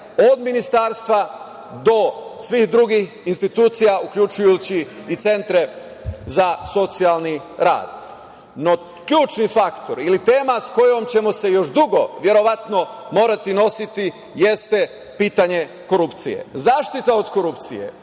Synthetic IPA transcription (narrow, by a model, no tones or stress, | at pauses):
od̪minist̪aːɾst̪ʋa | d̪o̞sʋixd̪ɾuɡix | inst̪it̪uːt̪sijaukʎut͡ʃujut͡ɕiːt̪se̞nt̪ɾe̞ | zaso̞t̪sialni | ɾa̰ːd̪̥ | no | kʎuːt͡ʃnifakt̪o̞ɾilit̪e̞ːmasko̞jo̞mt͡ɕe̞mo̞se̞jo̞ʃd̪uɡo̞ʋje̞ɾo̞ʋat̪no̞mo̞ːɾat̪ino̞sit̪i | jest̪e̞ | piːt̪aɲe̞ | ko̞ɾupt̪sijḛzaːʃt̪it̪ao̞d̪ko̞ɾupt̪sḭje̞̰